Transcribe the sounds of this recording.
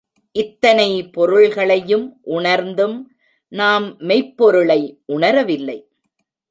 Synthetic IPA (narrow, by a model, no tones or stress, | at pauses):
ʔɪt̪ːɐnɐɪpɔɾɯɭɣɐɭɐjɯmʔʊɳɐɾnd̪ɯm | naːmːɛɪpːɔɾɯɭɐɪʔʊɳɐɾɐʋɪlːɐɪ